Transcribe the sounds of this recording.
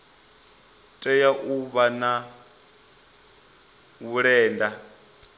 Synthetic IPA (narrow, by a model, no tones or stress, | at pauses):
tʼɛjaʔuβana | wuɺɛːnda